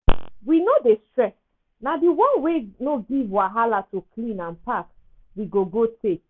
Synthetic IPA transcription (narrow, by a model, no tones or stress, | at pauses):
winodestɹɛs | nadiwɔ̃nwenoɡivwaɦalatukʰlĩnãnpak | wiɡoɡotek